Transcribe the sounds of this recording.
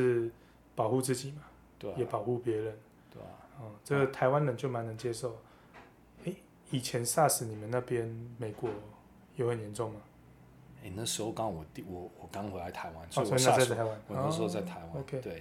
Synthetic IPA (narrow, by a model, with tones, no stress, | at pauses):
ʂɻ̩˥˧ | pɑ˨˩ʊxu˥˧t͡sɹ̩˥˩t͡ɕi˨˩ma˨˦ | t̪wjɛ˨˩pɑ˨˩ʊxu˥˩pjɛ˧˦ɻə˨˦n | t̪we˥˩ɔ˥˨˩ʈ͡ʂə˥˩ɡə˨˩t̪ʰa˧˦ɪwa˦nlə˨˦nt͡ɕjo˥˩ʊma˧˦nə˧˦ŋt͡ɕjɛ˦˥ʂo˥˨ʊ | e˥˩ɪ | i˨˩t͡ɕʰjɛ˨˧˦nsa˥˨˩ʂɻ̩˨˦ni˨˩mə˨˦nna˥˩pjɛ˦nme˨˩ɪkwɔ˨˩ | jo˧˦ʊhə˨˩njɛ˨˧˦nʈ͡ʂɔ˥˩ŋma˨ | e˥˩nə˥˨ʂ̩˧˦ho˥˧ʊkɑ˥ŋwɔ˨˩t̪i˨wɔ˨˩wɔ˨˩kɑ˥˦ŋxwe˧˥ɪla˧˥ɪt̪ʰa˨˦ɪwa̰˦n˥˨˥sɔ˦˥i˨na˥˧˥a˥˩t̪ʰa˨˦ɪwa˦n˨nə˦ʂ̩˧˦o˥˧t͡sa˥˨ɪt̪ʰa˧˦ɪwao˧kʰe˧˦t̪we˥˩